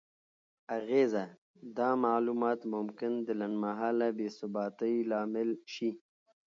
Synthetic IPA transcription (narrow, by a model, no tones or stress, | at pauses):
aɣeza | d̪ɑmalumɑːt̪mʊmkɪnd̪əlanmaɦɑːlabeːsʊbɑːt̪əjlɑːmɪlʃi